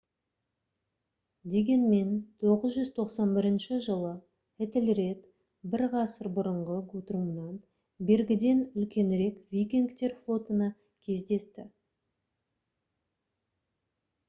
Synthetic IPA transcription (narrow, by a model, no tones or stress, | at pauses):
d̪e̞ɡʲe̞nme̞nt̪ʰo̞ʁəzʒʏz̥t̪ʰo̞qsɑnbɪɾɪnʃɪʒəlˠə | et̪ɪlɾe̞t̪ | bɪɾʁɑsəɾbʊɾəɴʁəɡut̪rumnɑn | be̞ɾɡʲɪd̪e̞nʏlkʲe̞nɾe̞kvʲijkʲiŋkt̪e̞ɾflˠo̞t̪ənɑ | kʲʰe̞zd̪e̞st̪ɪ